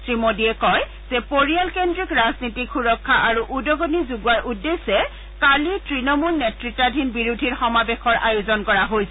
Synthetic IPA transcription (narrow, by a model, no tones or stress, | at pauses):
sɹimodiɛkɔj | z̥ɛpoɹijalkendɹikɹaznitikʰːuɹɔkʰːaʔaɹuʔudɔɡonizuɡuwaɹʔudːesɛ | kalitɹinɔmulnetɹitːadʱinbiɹudʱiɹxɔmabexɔɹʔa̰jozɔnkɔɹaɦojsɛ